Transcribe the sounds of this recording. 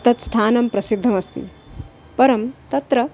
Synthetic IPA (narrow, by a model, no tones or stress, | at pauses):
t̪ɐt̪st̪ʰaːnɐmpɾɐsid̪ʱːɐmɐst̪ḭ | pɐɾɐmt̪ɐt̪ɾɐ